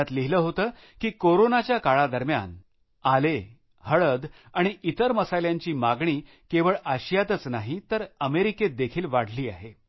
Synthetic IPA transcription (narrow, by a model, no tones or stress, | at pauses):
at̪liɦiləːɦot̪əː | kiːkoɾonat͡ɕjakaɭad̪əɾmja̰n | ale | həɭəd̪ | aɽ̃iʔit̪əɾməsajljaɲt͡ɕiːmaɡɳ̃iː | keʋəɭaɕijat̪ət͡snaɦit̪əɾəmeɾiked̪ekʰiːlʋaɽ̤liːa̰ɦe